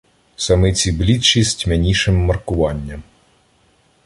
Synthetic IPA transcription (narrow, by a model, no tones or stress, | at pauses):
sɐmɪt͡sʲiblʲit̪t͡ʃisʲtʲmʲenʲiʃɪmːɐrkʊʋɑnʲːɐm